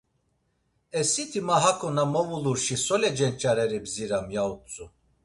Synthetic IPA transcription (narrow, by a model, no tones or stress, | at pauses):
ɛsit̪ʰimaɦakʰʼɔnamɔvuluɾʃisɔlɛd͡ʒɛnt͡ʃʼaɾɛɾibziɾamjautt͡sʼu